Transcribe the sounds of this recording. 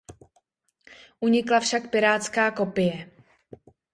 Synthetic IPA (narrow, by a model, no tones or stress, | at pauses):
ʔuɲɪklafʃakpɪɾaːt͡skaːko̞pɪjɛ